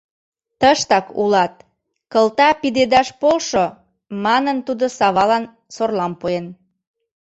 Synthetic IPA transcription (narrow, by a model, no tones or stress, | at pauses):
t̪əʃt̪ɑkṵlɑt̪̚ | kəlt̪ɑpid̪ed̪ɑʃpolʃo | mɑnənt̪ud̪osɑβɑlɑn | sorlɑmpuen